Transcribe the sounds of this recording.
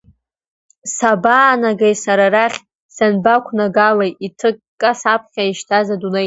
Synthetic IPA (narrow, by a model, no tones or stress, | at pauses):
sabaːnaɡajsaɾaraχʲ | sanbakʷʰnaɡalajitʰɨkːʼasap̚ʰχʲaiʃtʰazadune